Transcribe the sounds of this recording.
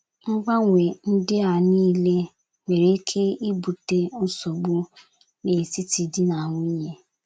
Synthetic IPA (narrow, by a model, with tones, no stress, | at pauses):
ŋ̩˦ɡ͡ba˦ŋʷe˨n̩˦dɪ˦a˨nĩː˦le˦ | me˨ɾe˨˦kʰe˦i˦bu˨te˦n̩˦so˨ɡ͡bu˦ | ne˨si˦ti˨di˦nã˨wʊ̃˦i˦je˦